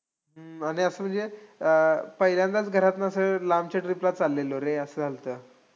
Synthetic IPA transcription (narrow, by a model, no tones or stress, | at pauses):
ɦəaɽ̃iəsəːm̤əɳnd͡zeəpəɦiljãnd̪at͡sɡʱəɾat̪naəsəlamt͡ɕaʈɾiplat͡salːeloɾẽəsəːd͡zʱalt̪əː